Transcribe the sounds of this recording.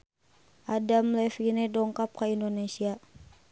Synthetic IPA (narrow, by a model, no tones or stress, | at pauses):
ʔadamlɛfinɛdɔŋkap̚kaindonesia